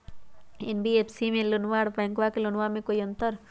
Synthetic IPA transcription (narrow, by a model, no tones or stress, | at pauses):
enbiepʰsimẽlʊnʋaɽpaŋkʋakelunʋamẽkoiənt̪əɾ